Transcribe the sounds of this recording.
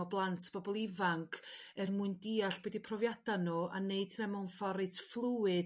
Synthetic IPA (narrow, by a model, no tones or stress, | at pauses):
ɔblˠantʰb̥ɔbɔlˠɪvaŋkʰɛrmʊɨndiːaɬb̥wɛdipʰrɔvjad̥anuʔa̰neɨdnɛmɔnfɔɾɨtʰflˠuwɨ